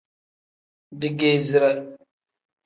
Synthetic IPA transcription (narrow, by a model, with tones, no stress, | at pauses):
di˨ɡe˦zi˨ɾa˦